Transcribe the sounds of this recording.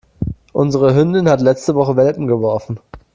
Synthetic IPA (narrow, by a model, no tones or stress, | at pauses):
ʔʊnzəʁ̞əɦʏndɪnhatlɛt͡stəvɔχəvɛlpm̩ɡəvɔɐfn̩